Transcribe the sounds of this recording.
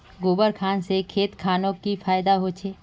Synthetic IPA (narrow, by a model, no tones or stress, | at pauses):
ɡoːbəɾkʰaːnsekʰeːt̪kʰaːnõkifʰaːjd̪aɦot͡ʃʰeː